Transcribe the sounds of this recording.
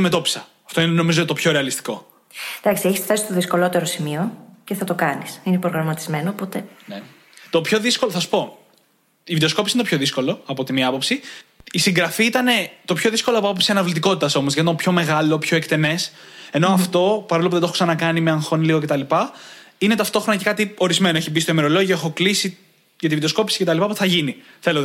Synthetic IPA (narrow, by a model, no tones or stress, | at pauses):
me̞t̪o̞pi̥sɐ | ɐft̪oineno̞mizot̪o̞pço̞ɾe̞ɐlist̪i̥ko̞ | d̪̥ɐksieçisft̪ɐsi̥st̪oðisko̞lo̞t̪e̞ɾosimioceθɐt̪okɐnisinepɾoɣɾɐmɐt̪izme̞noːpo̞t̪e̞ne | t̪o̞pço̞ðisko̞loθɐsu̥po̞ | ivit̪eosko̞pisineopçoðisko̞lo̞ɐpo̞t̪imiɐpo̞psiisiŋɡɾɐfiit̪ɐne̞t̪o̞pço̞ðisko̞loɐpoɐpopsiɐnɐvlit̪̬iko̞t̪it̪ɐso̞mo̞zʝɐt̪it̪opço̞me̞ɣɐlo̞pço̞ekt̪e̞ne̞s | e̞no̞ɐft̪o̞pɐɾlopuðooksɐnɐkɐnimeɐŋxo̞niliɣoce̞t̪ɐlipɐine̞t̪ɐft̪o̞xɾnɐce̞kɐt̪io̞ɾizme̞noeçibist̪omeɾo̞loʝoexo̞klisi | ʝɐt̪iviðesko̞pi̥si̥ce̞t̪ɐlipɐpot̪eθɐʝiniθe̞lo